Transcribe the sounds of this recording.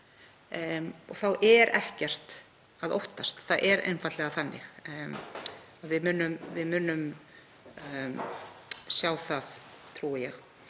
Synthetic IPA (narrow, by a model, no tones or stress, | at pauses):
ɔɣθawʔɛɾʔɛhcɛr̥t̪ | aðowht̪ast̪θaðʔɛɾʔḛjnfat̪lɛɣaθanːɪ̰x | aðvɪðmʏnʏmvɪðmʏːnʏm | sjaːwθaðt̪ʰɾuːjɛx